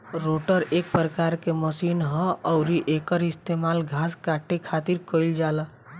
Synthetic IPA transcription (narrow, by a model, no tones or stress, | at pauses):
ɾoʈəɾek̚pɾəkaɾkeməsinɦɔ̃ɔʊɾiʔekəɾist̪emalɡʱaskaʈekʰat̪iɾkəld͡ʒalə